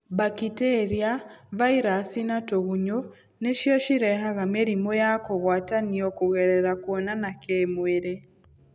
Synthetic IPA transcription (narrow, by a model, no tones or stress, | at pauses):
bakitɛɾjavaiɾasinatoɣuɲo | neʃiɔʃiɾɛɦaɣameɾimɔjakɔɣwataniɔkuɣɛɾɛɾakuɔnanakemweɾe